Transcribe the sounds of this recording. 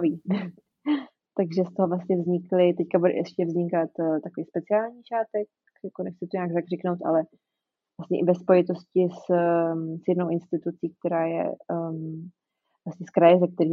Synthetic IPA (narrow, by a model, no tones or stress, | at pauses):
viː | t̪aɡʒɛst̪o̞ɦovlast̪ɲɛvzɲɪklɪt̪ɛckabudɛ̰ʔɛʃcɛvzɲɪkat̪t̪akoviːspɛt͡sɪaːlɲiːʃaːt̪ɛk̚ | jakonɛxt͡sɪt̪oɲaːɡzakr̝ɪknowt̪ʔa̰lɛ | vlast̪ɲɛʔɪvɛspo̞jɪt̪o̞scɪs | sjɛdnowʔɪnst̪ɪt̪ut͡siːk̚t̪ɛɾaːjɛ̰ | vlast̪ɲɛskɾajɛzɛk̚t̪ɛɾiː